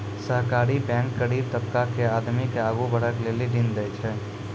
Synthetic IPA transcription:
səɦkaɾibɛ̃ŋkːəɽib̚t̪əbkakead̪mikeaɡubʱəɽəkleliɖind̪ɛjt͡ʃʰɛ

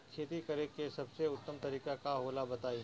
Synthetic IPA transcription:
kʰeːt̪ikɐɾekesɐbseʊt̪ːəmt̪ɐɾiːkakaɦoːlabɐt̪aːi

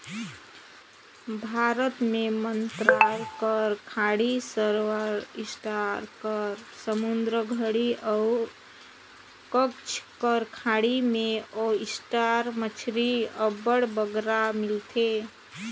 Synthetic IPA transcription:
bʱaɾət̪memənt̪ɾaɾkəɾkʰaɽisəɾwaɾisʈaɾkəɾsəmund̪ɾəɡʱəɽiəu | kəkt͡ʃʰkəɾkʰaɽimeoisʈaɾmət͡ʃʰɾiəbəɽbəɡɾamilt̪ʰe

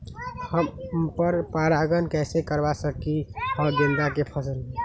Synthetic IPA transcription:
həmpəɾpaɾaɡənkɛsekəɾbasəkihəɡə̃nd̪akepʰəsəl

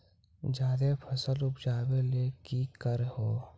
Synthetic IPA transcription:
d͡ʒaːd̪epʰəsəlʊpʰd͡ʒaːweleːkikəɾɦoː

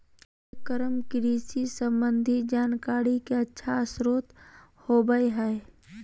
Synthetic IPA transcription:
kəɾəmkɪɾiːsisə̃mbənd̪ʱid͡ʒaːnkaːɾikeətːʃʰaəsɾoːt̪ | hobəeɦɛː

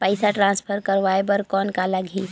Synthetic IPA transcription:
pəɪsaʈɾãnspʰəɾkəɾʋaebəɾkɔnkaləɡʱi

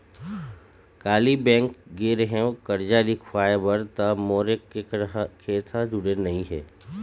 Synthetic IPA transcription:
kaːlibɛ̃ːŋkɡeːɾɦɛ̃kɐɾd͡ʒaːɾikʰfaːbəɾt̪amoːɾekːekʰeːt̪ʰad͡ʒʊɽenɐɦĩɦɛ̰ː

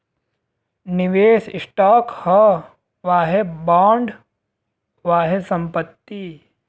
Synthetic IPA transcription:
nɪʋeːsɪsʈaːkhɐ | ʋaːɦebaːɳɖ | ʋaːɦesɐ̃mpət̪ːi

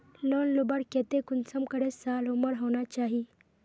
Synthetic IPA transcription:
lonlubəɽket̪ekunsəmkəɽesaluməɽɦonat͡ʃaːɦi

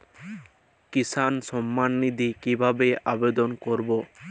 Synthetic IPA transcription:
kisanʃɔmːanːid̪ʱikibʱabeʔabed̪onkoɾbo

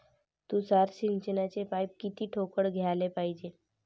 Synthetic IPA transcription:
t̪ũːsaɾɕint͡ɕənat͡ɕepajp̚kit̪iːʈʰokəɽɡʱjalepaid͡ʑe

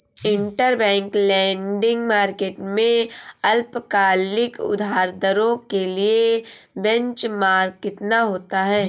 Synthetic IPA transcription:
ɪ̃ɳʈəɾbɛ̃ːŋklɛ̃ːɳɖɪ̃ŋɡmaːɾkeːʈmẽɐlpkaːlɪkʊ̰d̪ʱaːɾd̪əɾõkeliebɛ̃ɲt͡ʃmaːɾkɪt̪naɦoːt̪aɦɛː

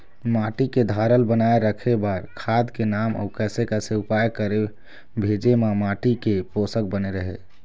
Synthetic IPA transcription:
maʈiked̪ʱaɾəlbənaeɾəkʰebaɾkʰad̪kenamɔ̰kɛsekɛseupajkəɾe | bʱed͡ʒemamaʈikeposək̚bəneɾəɦe

